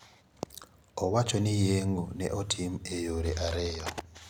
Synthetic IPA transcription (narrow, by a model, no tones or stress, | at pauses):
ɔwat͡ʃɔnɪjeŋonɛ̰ʔɔtʰimejoɾeʔaɾɪjɔ